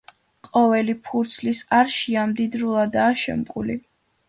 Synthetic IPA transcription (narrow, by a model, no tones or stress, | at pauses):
qʼɔvɛlipʰuɾt̪sʰlisaɾʃiamd̪id̪ɾulˠad̪aːʃɛ̰mkʼuli